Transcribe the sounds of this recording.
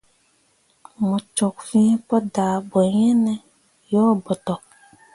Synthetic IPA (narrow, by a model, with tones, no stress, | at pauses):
mɔ̃˨t͡ʃɔ˨kfĩ˦pɔ˦da˨bɔ˨ɲɛ̃˦nɛ̃˦ | jɔ˦bɔ˨tɔ˨